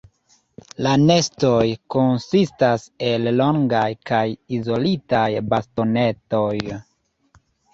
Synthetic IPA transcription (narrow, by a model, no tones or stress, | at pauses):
lane̞sto̞jkonsistase̞llo̞ŋɡajkajizo̞litajbasto̞ne̞to̞j